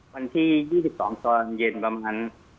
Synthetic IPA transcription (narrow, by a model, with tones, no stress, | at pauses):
wa˧nt̪ʰiː˥˩jiː˥˩si˨˩p̚sɔ̰ː˩˦ŋt̪ɔː˧nje˧npɾa˧maː˧n